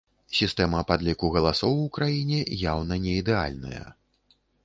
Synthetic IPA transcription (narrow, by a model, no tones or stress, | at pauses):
sʲist̪ɛmɐpad̪lʲikuɣɐlˠasɔwukɾajinʲɛjawnɐnʲɛid̪ɛa̰lʲnɐ̰jɐ̰